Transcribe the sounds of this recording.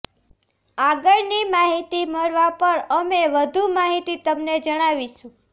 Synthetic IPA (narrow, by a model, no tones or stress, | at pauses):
aɡəɭnimaɦit̪iməɭʋapəɾəmeʋəd̪ʱumaɦit̪it̪əmned͡ʒəɽ̃aʋiʃũ